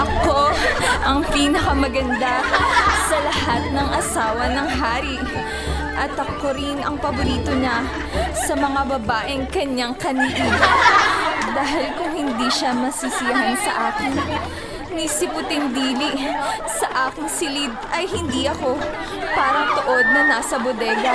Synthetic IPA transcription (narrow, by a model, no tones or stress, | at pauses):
ʔɐko̞ʔɐŋpiːnɐkɐmɐɡɐnd̪asɐlɐhat̪̚nɐŋʔɐsaːwɐnɐŋɦaːɾiʔ | ʔɐt̪ʔɐko̞ɾɪnɐŋpɐboɾiːt̪o̞ɲɐ | sɐmɐŋabɐbaːʔɪŋkɐɲːaŋkɐniʔiɡo | d̪aːɦɪlkʊŋhɪnd̪iʃamɐsisɪjɐɦansɐʔaːkɪn | nisɪpʊt̪ɪnd̪iːlisɐʔaːkɪŋsɪlid̪̚ʔɐjhɪnd̪iʔɐko̞ | paːɾɐŋt̪oʔo̞d̪̚nɐnaːsɐbod̪ɛːɡɐ